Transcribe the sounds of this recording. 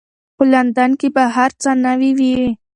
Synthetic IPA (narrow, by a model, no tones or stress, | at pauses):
pəland̪ankebaɦaɾt͡sanawiwi